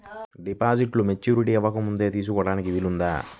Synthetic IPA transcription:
ɖipaːd͡ʒiʈlumet͡ʃːuːɾiʈiːɛʋːɐkɐmund̪e̞ːt̪iːs̬ukɔːɽaːnikiʋilund̪a̰ː

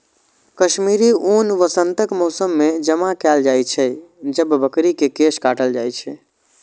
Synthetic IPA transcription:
kəʃmiɾiunʋəsənt̪əkmɔsəmːed͡ʒəmakɛld͡ʒajt͡ʃʰɛd͡ʒəbbəkɾikekeskaʈəld͡ʒajt͡ʃʰɛ

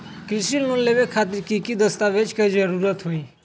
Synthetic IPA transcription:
kɾɪsilmollːeʋekʰaːt̪̬ɪɾkikid̪əst̪aːʋed͡ʒkəizəɾuɾət̪ɦoiː

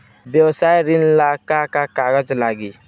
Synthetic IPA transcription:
bɛwsajɾinlakakakaɡəd͡ʒlaɡi

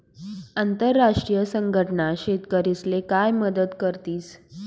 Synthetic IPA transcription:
ant̪əɾːaʂʈɾijəsəŋɡʱəʈənaɕet̪kəɾislekajməd̪əd̪kəɾt̪iːs

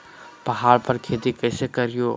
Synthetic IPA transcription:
pɐɦaːɽpɐɾkʰeːt̪ikɛːsekɐɾijo

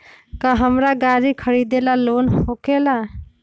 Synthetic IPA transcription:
kaɦəmɾaɡaɾikʰəɾid̪elalonhokela

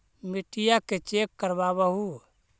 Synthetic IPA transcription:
miʈijaket͡ʃekːəɾbabəɦu

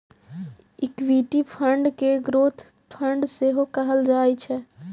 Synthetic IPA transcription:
ɪkʋiːʈipʰəɳɖkeɡɾoːt̪ʰ | pʰə̃ɳɖseɦokɐɦəld͡ʒaːit͡ʃʰɛ

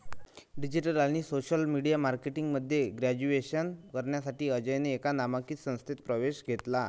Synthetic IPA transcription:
ɖid͡ʑiʈəlañiːsoɕəlmiɽijamaɾkeʈiŋɡməd̪ʱːjeɡɾad͡ʑueɕənkəɾɳjasaʈiːəd͡ʑəjneːkanamakiːt͡s̪sə̃w̃st̪ʰet̪pɾəʋeɕɡʱet̪la

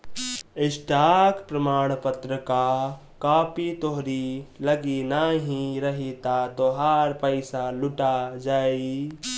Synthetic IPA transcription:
esʈakpɾəmaːɽ̃pət̪ɾəka | kaːpit̪oɦɾiləɡinaɦĩɾəɦit̪ad̪oɦaɾpəɪsaluʈad͡ʒaːi

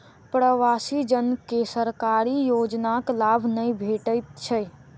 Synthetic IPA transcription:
pɾəʋasid͡ʒənkesəɾkaɾijod͡ʒnaklabʱnəjbʱeʈəjt̪̚t͡ʃʰəj

